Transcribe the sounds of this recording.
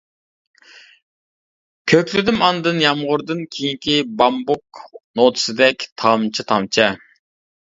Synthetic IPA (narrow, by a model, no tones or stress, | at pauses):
kʲʰøkʲlɪd̪ɪmɑnd̪ɨnjɑmʁʊɾd̪ɨnkʲʰejiŋkʲʰibɑmbuk̚not̪ʰɨ̥sɨd̪ɛkʲt̪ʰɑmt͡ʃʰit̪ʰɑmt͡ʃʰɛ